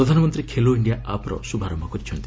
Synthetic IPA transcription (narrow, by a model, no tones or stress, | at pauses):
ɾɔd̪ʱanɔmɔnt̪ɾikʰeloiɳɖijaʔapɔɾɔ̰subʱaɾɔmakɔɾit͡ʃʰɔnt̪i